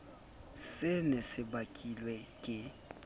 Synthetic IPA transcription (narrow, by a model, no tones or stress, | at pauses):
sɪnɪsɪbakʼilwɛkʼɪ